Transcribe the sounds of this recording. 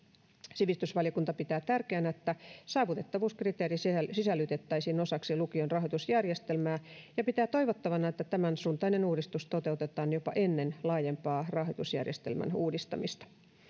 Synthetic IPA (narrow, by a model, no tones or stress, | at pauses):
siʋist̪ysʋɑlijokunt̪ɑpit̪æːt̪ærkeænæet̪ːæsɑːʋut̪et̪ːɑʋuːskrit̪eːɾissisælːyt̪et̪ːæisiːno̞sɑksilukionrɑɦoit̪usjærjest̪elmæːjɑpit̪æːt̪o̞iʋot̪ːɑʋɑnɑet̪ːæt̪æmænsuːnt̪ɑinenuːdist̪ust̪ot̪e̞ut̪et̪ˑɑːnjopɑ̰ʔenːenlɑːjempɑːrɑɦojt̪usjæ̰rjest̪ḛlmæ̰nuːdist̪ɑ̰mist̪ɑ̥